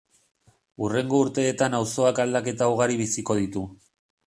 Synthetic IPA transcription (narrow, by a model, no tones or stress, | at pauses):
ure̞ŋɡo̞uɾt̪e̞ːt̪anawso̞akald̪ake̞t̪auɣ̞aɾiβ̞isiko̞ð̞it̪u